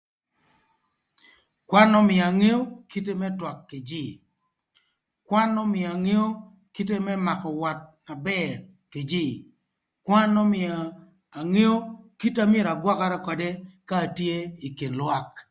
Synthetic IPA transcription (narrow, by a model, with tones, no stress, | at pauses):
kwa˦nɔ˦mɪ˨a˨ŋe˦o˦ki˦te˦mɛ˦twa˨kːe˨d͡ʒi˦˨ | kwa˦nːɔ˦mɪ˨a˨ŋe˦o˦ | ki˦te˦mɛ˦ma˨kɔ˨wa˨t̚na˨bɛ˦ | ke˨d͡ʒi˦˨ | kwa˦nɔ˦mɪ˨aː˨ | ŋe˦o˦ki˦ta˦me˦˨ɾa˨ɡwa˦ka˦ɾa˦kɔ˨de˦kaː˦˨tje˦i˨ke˨nlwa˦k